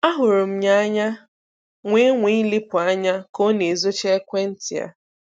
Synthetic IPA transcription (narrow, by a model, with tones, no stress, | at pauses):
a˦ɦʊ˨ɾʊ˨m̩˦ɲa˦ɲa˦ | ŋʷe˦ŋʷi˦lɪ˦pʊ˨a˦ɲa˦ko˦ne˨zo˦t͡ʃe˦kʷe˦n̩˦tɪ˨ja̰˦